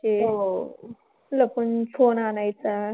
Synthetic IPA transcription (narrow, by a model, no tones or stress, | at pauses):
eo | ləpənfʰonanajt͡sa